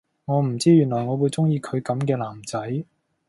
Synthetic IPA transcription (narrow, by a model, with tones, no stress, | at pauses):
ŋɔː˨˧m̩˨˩t͡siː˥jyː˨˩nlɔː˨˩jŋɔː˨˧wuː˨˧jt͡sʊ˥ŋjiː˧kʰɵ˨˧ɥkɐ˨˥mkɛː˧laː˨˩mt͡sɐ˨˥j